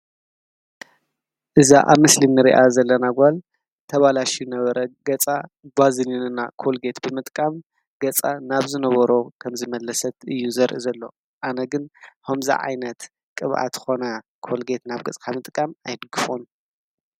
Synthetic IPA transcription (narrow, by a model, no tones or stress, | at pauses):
ʔɨza̰ʔaβmɨslinːɨɾḭʔazɐlːɐnaɡʷal | t̪ʰɐβalaʃijɨnɐβɐɾɐɡɐt͡sʼa | bazininɨnːakʰo̞lɡe̞t̪bɨmɨt̪ʼkʼam | ɡ̥ɐt͡sʼanaβzɨnɐβɐɾokʰɐmzɨmɐlːɐsɐt̪ɨjːuzɐɾʔizɐlːo̞ | ʔanɐɡɨnhomzḭʕa̰jnɐt̪ | kʼɨβʔa̰t̪ʰɨxo̞nɐkʰo̞lɡe̞t̪naβɡɐt͡sʼkʰamɨt̪ʼkʼamajd̪ɨɡɨfon